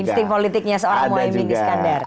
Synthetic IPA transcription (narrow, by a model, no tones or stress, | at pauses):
inst̪ɪŋpolit̪ɪk̚ɲasəoɾaŋmuaimbiŋsə̥kandar